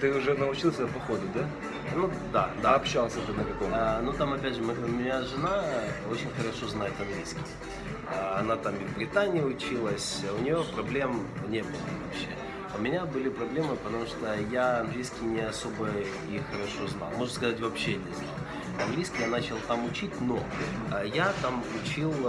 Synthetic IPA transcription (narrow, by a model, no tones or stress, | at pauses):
t̪ɨʊʐɛnəʊt͡ɕilˠsʲəpɐxod̪ɪd̪a | nu | d̪ad̪aɐpɕːalˠsʲəʊʐɛnəkɐkojnut̪amɐpʲædʲʐɨmɨʊmʲɪnʲaʐɨnao̞t͡ɕɪnʲxəɾɐʂo̞znajɪt̪ɐnɡlʲijskʲɪj | əɐnat̪amɪvbɾʲɪt̪anʲɪjəʊt͡ɕilˠəsʲʊnʲɪjopɾɐblʲe̞mnʲe̞bɨlˠə̰vɐpɕːe̞̰ | ʊmʲɪnʲabɨlʲɪpɾɐblʲe̞mɨpət̪ɐmuʂt̪ojaɐnɡlʲijskʲɪjnʲɪɐso̞bə | ixəɾɐʂo̞zna̰lˠmoʐskɐzatʲvɐpɕːenʲɪzna̰lˠ | ɐnɡlʲijskʲɪjanat͡ɕɪlˠt̪amʊt͡ɕitʲno̞ | jat̪amʊt͡ɕilˠ